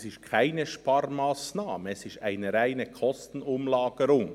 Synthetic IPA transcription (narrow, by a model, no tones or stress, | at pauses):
sɪʃt̚kʰaɪnəʃpɑɾmaːsnaːməɛsɪʃtaɪnəɾaɪnəkʰɔstn̩ʊmlaːɡ̥əɾʊŋ